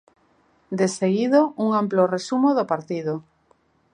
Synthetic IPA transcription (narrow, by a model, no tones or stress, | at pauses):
d̪eseɣiðouŋamploresumoðopaɾt̪iðo